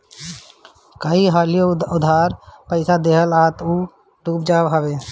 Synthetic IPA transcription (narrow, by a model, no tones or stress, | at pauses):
kəiɦaːlijoʊd̪ʱaːɾpəɪsad̪eːɦəlaːt̪uː | ʈuːp̚d͡ʒaːʋɦəbeː